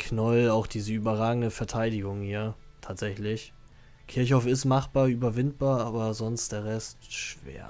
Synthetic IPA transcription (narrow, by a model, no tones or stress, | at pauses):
kʰnɔlaʊxd̥iːzəyːbɐʁaːɡŋ̩dəfɛɐtʰaɪdɪɡʊŋhiːɐ | tʰaːtz̥ɛçlɪç | kʰɪɐçaʊfɪstmaχb̥aːɐyːbɐvɪnt̚b̥aːɐaːbɐzɔnst̚d̥eːɐʁɛstʃv̥ḛːɐ